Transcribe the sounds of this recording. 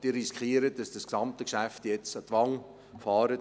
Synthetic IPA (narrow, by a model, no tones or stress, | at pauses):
d̥iːɾːiskχiəɾət̚d̥ɑsd̥ɑsksɑmt̪əkʃæftjɛt͡sətʋɑŋ | fɑːɾə